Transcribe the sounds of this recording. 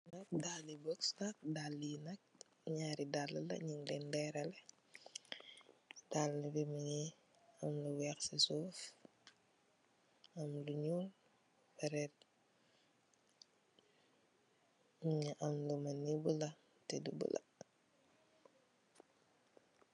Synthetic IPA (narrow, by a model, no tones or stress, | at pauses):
nɐk̚dalːibɔksnɐk̚dalːinɐk̚ | ɲaːɾidalːɐlɐ̰ɲiŋdɛndɛɾɐlɛ | dalːəbimiŋi | ɐmluwɛxsisuːf | ɐmluɲul | fɛɾɛt̚ | miɲiʔɐmlumɐnːibulɐ | tɛdubṵlɐ̰